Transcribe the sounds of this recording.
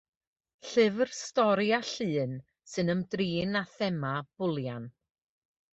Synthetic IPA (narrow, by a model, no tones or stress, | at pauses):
ɬɨvrstɔɾjaɬɨːn | sɨnəmdriːnaθɛmab̥ʊlˠjan